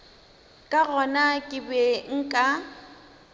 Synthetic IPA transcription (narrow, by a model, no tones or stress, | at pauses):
kʼaɣɔnakʼɪbɛŋ̩kʼa